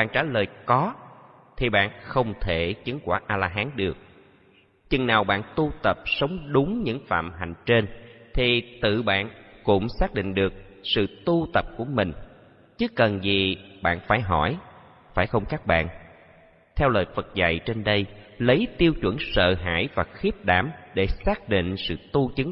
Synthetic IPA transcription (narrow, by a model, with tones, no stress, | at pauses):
ɓaː˧˨nt͡ɕaː˧˩ləː˨˩jkɔ˨˦ | t̪ʰi˨˩ɓa̰ː˧˨nxə˧wŋ͡mt̪ʰe˧˩t͡ɕi˨˦ŋkwaː˧˩ʔaː˧laː˧ɦaː˨˦nɗɨ˨˩ək̚ | t͡ɕɨ˨˩ŋnaː˨˩wɓa̰ː˧˨nt̪u˧t̪ə˨˩p̚sə˨˦wŋ͡mɗʊ˨˦ŋ͡mɲɨ̰˧˥ŋfa̰ː˧˨mɦa˨˩jŋ̟t͡ɕe˧nt̪ʰi˨˩t̪ɨ̰˧˨ɓa̰ː˧˨nkʊ̰˧˥ŋ͡msaː˦˥k̚ɗḭ̈˧˨ŋ̟ɗɨ˨˩ək̚sɨ̰˧˨t̪u˧t̪ə˨˩p̚ku˧˩əmï˨˩ŋ̟ | t͡ɕɨ˨˦kə˨˩nzi˨˩ɓa̰ː˧˨nfaː˧˩jɦɔ˧˩j | faː˧˩jxə˧wŋ͡mkaː˦˥k̚ɓa̰ː˧˨n | t̪ʰɛ˧wləː˨˩jfə˨˩t̚za̰˧˨jt͡ɕe˧nɗə˧jlə˨˦jt̪i˧əwt͡ɕwə̰˧˩nsə̰ː˧˨ɦa̰ː˧˥jvaː˨˩xi˦˥əp̚ɗaː˧˩mɗe˧˩saː˦˥k̚ɗḭ˧˨ŋ̟sɨ̰˧˨t̪u˧t͡ɕɨ˨˦ŋ